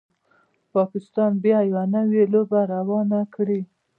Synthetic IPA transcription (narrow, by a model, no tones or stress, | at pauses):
pɑkɪst̪ɑnbjɑjawanəwelobaɾawɑnakɽi